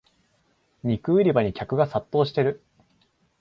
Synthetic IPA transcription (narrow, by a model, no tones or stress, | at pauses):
ɲʲikɯ̟ːɾʲibaɲ̟ikʲakɯ̟ɡasat̪ːo̞ːɕi̥t̪e̞ɾɯ̟